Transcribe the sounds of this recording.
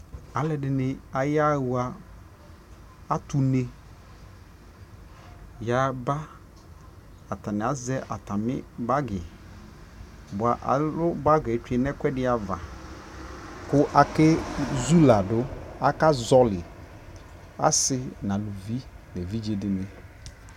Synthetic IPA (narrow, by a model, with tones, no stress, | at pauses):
a˨lɛ˨dɪ˨nɪ̃˨a˨ja˦˨wwa˨ | a˦tʊ˨ne˦ | ja˨ba˦ | a˨ta˨nɪ˨a˨zɛ˦ʔa˨ta˨mɪ̰˦ba˦ɡɪ˨ | bʊ˨a˨ʔa̰˨lʊ˦ba˦ɡɛ˨˦t͡ʃɛ˨nɛ˦kʷɛ˦dɪ˦a˨va˨ | kʊ˦ʔa˨kɪ˦zu˦la˨dʊ˦a˨ka˦zɔ˦lɪ˨ | a̰˦sɪ˦nã˨lu˨vi˦ | lɛ˨vi˦d͡ʒe˨dɪ˨nɪ̃˨